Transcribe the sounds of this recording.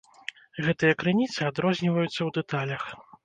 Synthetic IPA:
ɣɛt̪ɨjɐkɾɨnʲit̪sɨad̪ɾɔzʲnʲivɐjut̪sːɐwd̪ɛt̪alʲɐx

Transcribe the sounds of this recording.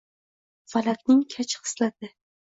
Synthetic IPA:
falakʲnɪŋkʲʰat͡ʃʰχɨ̥slat̪ʰɪ

